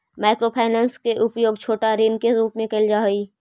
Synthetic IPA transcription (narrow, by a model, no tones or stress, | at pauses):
maːɪkɾopʰaːnãːnskeʔʊpjoːɡ̚t͡ʃʰoːʈaɾeːnkeɾuːpmẽkɐld͡ʒaɦiː